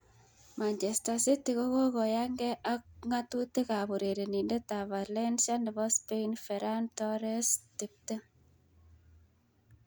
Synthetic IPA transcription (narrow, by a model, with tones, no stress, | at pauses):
ma˨ɲt͡ʃe˨sta˨si˦ti˨ɣo˦ɣo˦ɣɔ˨ja˦ŋɡɛʔa˦kŋa˦tu˦te˦ka˨βo˨ɾe˨ɾe˨ni˨nde˦ta˨βa˨lɛ˦nʃa˦ne˨βɔ˦spe˦infɛɾa˦ntɔɾɛ˦sti˦p̚te˦